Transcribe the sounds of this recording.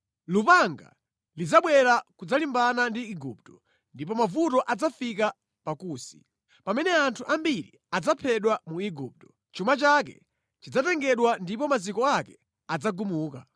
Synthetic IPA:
lupaŋɡa̰ | lid͡zaɓwɛɾakud͡zalimbanandiːɡuptɔ | ndip̬ɔmavutɔʔad͡zafika | pakuːsi̥ | pamɛnɛantʰuʔambiɾḭ | ad͡zapʰɛɗwamuiɡup̚tɔ̥ | t͡ʃumat͡ʃak̬ɛ̰ | t͡ʃid͡zatɛŋɡɛɗwandipɔmazikɔakɛ | ad͡zaɡumuːka

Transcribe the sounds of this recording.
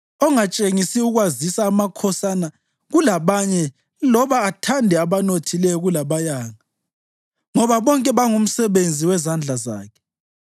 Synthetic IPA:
ɔŋat͡ʃʼeŋisiuɣwazisaːmakʰɔsana | ɣulaβaɲɛ | lɔβaːtʰandʱɛaβanotʰilɛjɔɣulaβajaːŋa | ŋɔβaβɔŋkʼɛβaŋum̩sɛβend͡zʱiwɛzand͡ɮʱaza̰ːkʰɛ̥

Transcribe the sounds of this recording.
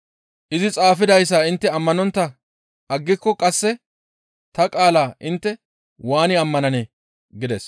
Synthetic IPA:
ʔɪzɪt͡sʼaːfɪd̪ɐjs̬ːaːɪnt̪ːɛɐmːɐnɔnt̪ːɐ | ʔɐɡːɪkːɔkʼɐsːɛ | t̪ɐkʼaːlaːʔɪnt̪ːɛ | waːnɪɐmːɐnɐnɛ | ɡɪd̪ɛs

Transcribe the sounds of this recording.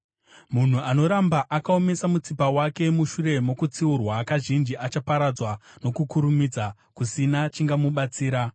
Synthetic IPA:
mun̤uano̞ɾambaʔakao̞me̞samut͡sipawake̞muʃure̞mo̞kut͡siurwakaʒind͡ʒiʔat͡ʃapaɾad͡zwano̞kukuɾumid͡za | kusinat͡ʃiŋɡamuɓat͡siːɾa

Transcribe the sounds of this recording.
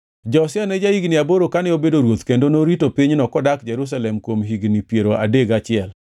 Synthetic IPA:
d͡ʒɔsɪanɛd͡ʒaiɡniaboɾokanɛobedoɾwot̪kendonoɾitopiɲnɔkɔdakd͡ʒɛɾus̬alɛmkwomɦiɡnipjeɾoʔa̰deɡat͡ʃɪɛl

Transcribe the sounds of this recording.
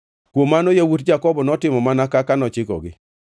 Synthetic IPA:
kwomanojawutd͡ʒakɔbɔnɔtɪmɔmanakakanɔt͡ʃɪkɔ̰ɡɪ̰

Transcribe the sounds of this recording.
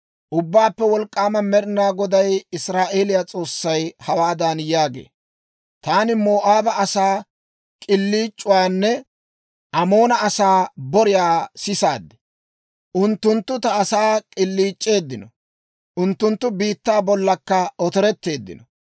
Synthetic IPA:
ʔʊbːaːpːɛwɔlkʼːaːmɐmɛɾɪnaːɡɔd̪ɐjɪsɾaːʔe̞ːlɪjat͡sʼo̞ːsːɐjhɐwaːd̪anjaːɡḛː | t̪aːnɪmoːʔaːbɐɐsaː | kʼɪlːiːt͡ʃʼːʊwaːnːɛ | ʔɐmo̞ːnɐɐsaːbɔɾɪjaːsɪsaːd̪ːɛ̥ | ʔʊnt̪ːʊnt̪ːʊt̪ɐːsaːkʼɪlːiːt͡ʃʼːe̞ːd̪ːɪnɔ | ʔʊnt̪ːʊnt̪ːʊbiːt̪ːaːbɔlːɐkːɐɔt̪ɔɾɛt̪ːe̞ːd̪ːɪ̰nɔ

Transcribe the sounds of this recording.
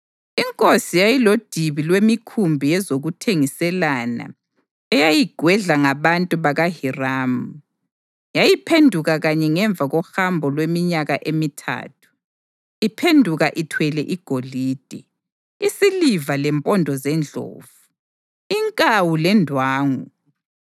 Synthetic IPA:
iŋkʼosijajilod̥ʱiβilwemikʰumbʱijɛzoɣutʰeŋisɛlana̰ | ɛjajiɡ̥ʱwɛɮaŋaβantʼuβaɣahiraːmu | jajipʰendʱuɣaɣaɲɛŋɛɱb̪vʱaɣɔhambʱɔlwemiɲaɣaʔemitʰa̰ːtʰu̥ | ipʰendʱuɣaʔitʰwɛlɛʔiɡ̥ʱoliːd̥ʱɛ | isilivalɛmpʼɔndʱɔzɛnd͡ɮʱo̰ːvu | iŋkʼawulɛndʱwaːŋu

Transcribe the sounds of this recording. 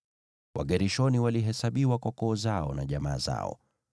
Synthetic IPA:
wʔaɠɛɾiʃɔniwaliɦɛsaɓiwakwɔkɔːzaɔnaʄamaːza̰ɔ̰

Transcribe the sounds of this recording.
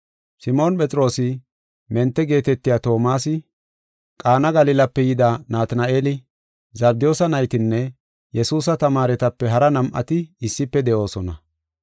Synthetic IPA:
sɪmo̞ːnpʼɛt͡sʼɾo̞ːsɪ | mɛnt̪ːɛɡe̞ːt̪ɛt̪ːɪjaːt̪o̞ːmaːsɪ | kʼaːnɐɡɐlɪlɐpːɛjɪd̪anaːt̪naʔeːlɪ | zɐɾ̚d̪ɪjo̞ːsɐnɐjt̪ɪnːɛ | jɛsuːs̬ɐt̪ɐmaːɾɛt̪ɐpːɛɦɐɾɐnɐmʔɐ̰t̪ɪɪsːɪpːɛd̪ɛʔo̞ːsɔnɐ

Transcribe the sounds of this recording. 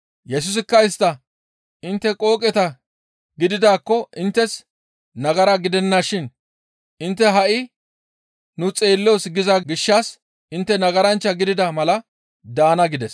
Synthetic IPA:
jɛs̬ʊs̬ɪkːɐɪst̪ːɐ | ɪnt̪ːɛkʼo̞ːkʼɛt̪ɐ | ɡɪd̪ɪd̪aːkːɔʔɪnt̪ːɛs | nɐɡɐɾɐɡɪd̪ɛnːaʃɪn | ɪnt̪ːɛɦɐʔɪ | nʊt͡sʼe̞ːlːosɡɪzɐɡɪʃːaːs | ʔɪnt̪ːɛnɐɡɐɾɐnt͡ʃːɐɡɪd̪ɪd̪ɐmɐlɐ | d̪aːnɐɡɪd̪ɛs

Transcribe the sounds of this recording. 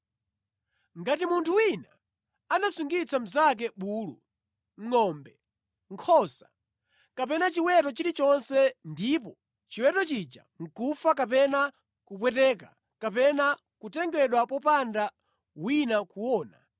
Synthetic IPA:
ŋɡatimuntʰuwina | anasuŋɡit͡sam̩zak̬ɛɓuːlṵ | ŋ̩ŋɔmbɛ | ŋkʰɔsḁ | kap̬ɛnat͡ʃiwɛtɔt͡ʃiɾit͡ʃɔnsɛndipɔ | t͡ʃiwɛtɔt͡ʃid͡ʒa̰ | ŋ̩kufak̬apɛna | kup̬wɛtɛka | kapɛna | kutɛŋɡɛɗwapɔpanda | winakuwɔːna

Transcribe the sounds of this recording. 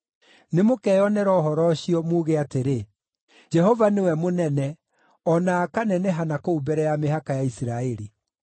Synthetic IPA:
nemokɛjɔnɛɾɔɦɔɾɔɕiɔmuːɣeateɾe | d͡ʒɛhɔvanewɛmonɛnɛ | ɔnaːkanɛnɛɦanakoubɛɾɛjameɦakajaisiɾaɛɾi

